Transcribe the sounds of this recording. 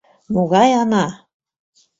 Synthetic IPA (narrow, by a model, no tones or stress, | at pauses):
moɣɑjɑnɑ